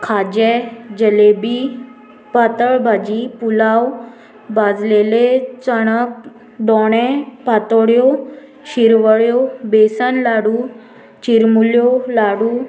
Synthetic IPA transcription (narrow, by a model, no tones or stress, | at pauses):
kʰaːd͡ʑɛd͡ʒəleːbi | pat̪əɭbʱaːd͡ʒipulaw | bad͡zleːlet͡səɽ̃ək̚ | d̪ɔːɽ̃ɛ̃pat̪oɽjo | ʃiɾʋəɭjobesənlaːɽu | t͡ʃiɾmuljolaːɽu